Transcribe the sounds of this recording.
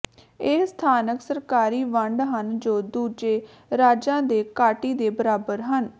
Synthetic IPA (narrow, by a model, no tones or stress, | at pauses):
eːst̪ʰaːnəksəɾkaːɾiːʋəɳɖɦənd͡ʒoːd̪uːd͡ʒeː | ɾaːd͡ʒãːd̪eːkaːʈiːd̪eːbəɾaːbəɾɦən